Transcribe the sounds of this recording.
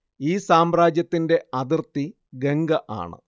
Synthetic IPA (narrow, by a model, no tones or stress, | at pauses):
iːsaːmraːd͡ʑjɐt̪ːinde̞ɐd̪irt̪ːi | ɡe̞ŋɡɐʔa̰ːɳɨ̰